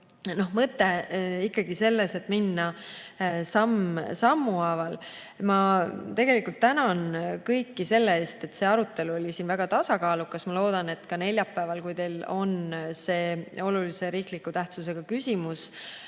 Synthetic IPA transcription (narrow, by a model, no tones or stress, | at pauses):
no̞hmɤt̪ːˑe̞ikːɑɡ̥ise̞lːese̞t̪ːˑminːɑ | sɑmsɑmːuɑvɑl | mɑt̪e̞ɡe̞likˑult̪ːænɑnkɤjkːise̞lːeeːst̪e̞t̪ːse̞ːɑɾut̪ːˑe̞luo̞lʲisiːnvæɡ̥ɑt̪ɑsɑkɑːlukːˑɑsmɑlo̞ːd̪̥ɑne̞t̪ːkɑne̞lʲjɑpːæːvɑlkujt̪e̞jlo̞nse̞ːo̞lulise̞ɾiːklikːˑut̪æht̪suse̞ɡ̥ɑkysʲimus